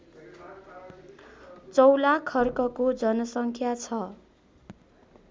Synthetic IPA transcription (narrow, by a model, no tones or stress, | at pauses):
t͡sʌwlakʰːʌrkʌkod͡zʌnʌsʌŋkʰjat͡sʰʌ